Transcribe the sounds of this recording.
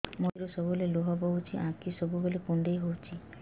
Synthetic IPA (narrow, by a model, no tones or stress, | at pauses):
mojɾosɔbuleluɦɔbɔɦut͡ʃʰiʔãkisɔbubolekund̪ejɦowt͡ʃʰi